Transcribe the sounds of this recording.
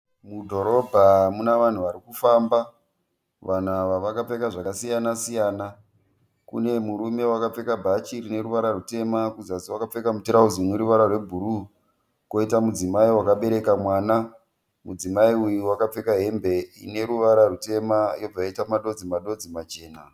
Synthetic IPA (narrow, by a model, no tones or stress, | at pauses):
mudʱo̞ɾo̞bʱamunaʋan̤uʋaɾikufamba | ʋan̤aʋaʋakap͡fe̞kaʐakasijanasijaːna | kṵne̞muɾume̞wakap͡fe̞kabʱat͡ʃirine̞ɾuʋaɾarute̞makuzatiwakap͡fe̞kamutiɾauzimweɾuʋaɾarwe̞bʱuɾu | ko̞itamud͡zimaiwakaɓe̞ɾe̞kamwaːna | mud͡zimaiujuwakap͡fe̞kaɦe̞mbe̞ḭne̞ɾuʋaɾarute̞majo̞b͡vajaitamaɗo̞d͡zimaɗo̞d͡zimat͡ʃe̞ːna